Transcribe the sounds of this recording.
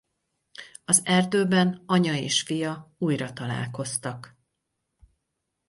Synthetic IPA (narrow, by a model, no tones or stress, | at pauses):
ɒzɛrd̪øːbɛnɒɲɒeːʃfijɒuːjrɒt̪ɒla̰ːlko̞st̪ɒk